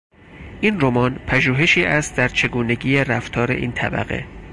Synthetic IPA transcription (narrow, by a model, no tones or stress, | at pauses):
ʔiːnro̞mɒːnpʰæʒuːɦe̞ʃiːʔæst̪̚d̪æɾt͡ʃʰe̞ɡuːne̞ɟiːeɾæft̪ʰɒːɾe̞̰ʔḭːnt̪ʰæ̰bæ̰ɣe̞̰